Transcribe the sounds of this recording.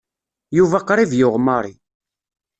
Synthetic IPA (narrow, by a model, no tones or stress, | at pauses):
juvæqːɾˤivjʊʁmɑɾˤi